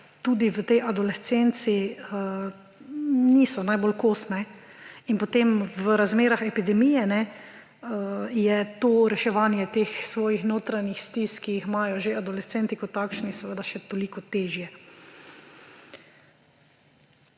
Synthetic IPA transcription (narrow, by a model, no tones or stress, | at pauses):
t̪uːd̪iʋət̪ɛjʔad̪olɛt͡s̪ent̪siə | nisɔnajbolkoːsnɛ | inpɔt̪emʋəɾazmeːɾaxɛpid̪ɛmijɛnɛ | əjɛt̪oːɾɛʃɛʋaːnjɛt̪eːxsʋɔːjixnoːt̪ɾanixst̪iskijixmaːjɔʒeʔad̪olɛst̪ɛnt̪ikɔt̪ːakʃnisɛʋəd̪aʃɛt̪oliːkɔt̪eːʒjɛ